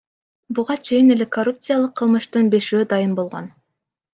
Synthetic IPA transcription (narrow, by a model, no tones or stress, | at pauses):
buʁɑt͡ʃʰe̞jine̞le̞korupt̪sɨjalˠɯqʰːɯlˠmɯʃt̪ɯnbe̞ʃyːd̪ɑjɯmbo̞lˠʁo̰n